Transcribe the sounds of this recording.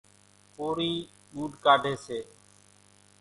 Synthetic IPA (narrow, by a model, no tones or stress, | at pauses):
poːɾiː | ɗuːɖkaːɖʱeːseː